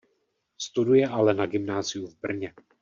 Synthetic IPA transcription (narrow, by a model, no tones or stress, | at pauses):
st̪udujɛʔalɛnaɡɪmnaːzɪjuvbr̩ɲɛ